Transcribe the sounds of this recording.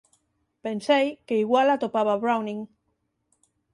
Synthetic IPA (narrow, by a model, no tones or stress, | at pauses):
pensejkeiɣwalat̪opaβ̞aβɾawnĩŋ